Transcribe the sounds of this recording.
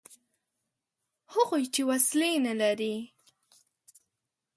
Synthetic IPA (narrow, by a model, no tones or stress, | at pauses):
hʊɣojt͡ʃewaslenalaɾi